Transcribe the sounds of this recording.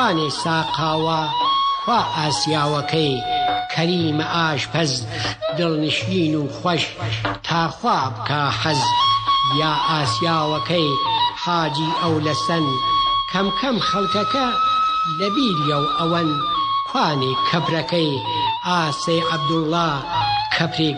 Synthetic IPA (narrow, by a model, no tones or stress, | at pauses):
aːneːsaːqʰaːwaxwaːʔaːsjaːwɐkʰɐjkʰɐɾiːmɐʔaːʃpʰɐzd̪ɨlnɨʃiːnuːxwʷɐʃt̪ʰaːxwaːbkʰaːħɐz | jaːʔaːsjaːwɐkɐjħaːd͡ʒiːʔɐwlɐsɐnkʰɐmkʰɐmxɐlkɐkɐlɐbiːljɐwʔɐwɐnkʰwaːneːkʰɐpɾɐkɐj | aːsɐjʔɐb̚d̪ulːaː | kʰɐpɾeː